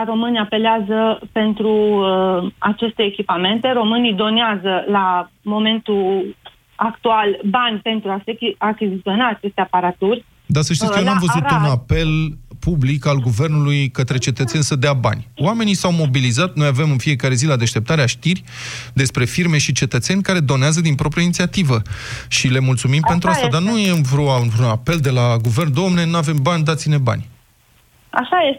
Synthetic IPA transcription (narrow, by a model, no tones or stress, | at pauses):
ɾo̞mɨniape̞leazəpe̞nt̪ɾu | at͡ʃe̞st̪e̞ːkʲipame̞nt̪e̞ɾo̞mɨnid̪o̞neazəlamo̞me̞nt̪u | akt̪ualbanʲpe̞nt̪ɾuaseakʲizit̪sio̞naːt͡ʃe̞st̪e̞apaɾat̪urʲ | d̪asəʃt̪ikənuamvəzut̪unape̞lpublikalɡuve̞rnulujkət̪ɾe̞t͡ʃe̞t̪ət̪se̞nʲsəd̪eaba̰nʲwame̞nisawmo̞bilizat̪no̞jave̞mɨnfie̞kaɾe̞zilad̪e̞ʃt̪e̞p̚t̪aɾeaʃt̪irʲ | d̪e̞spɾe̞firme̞ʃit͡ʃe̞t̪ət̪se̞nʲkaɾe̞d̪o̞neazəd̪inpɾo̞pɾijainit̪siat̪ivəʃile̞mult̪sumimpe̞nt̪ɾuast̪ad̪anujenvɾoaunvɾunape̞ld̪e̞laɡuve̞rnd̪oomne̞nuave̞mbanʲd̪at̪sine̞ba̰nʲ | a̰ʃajes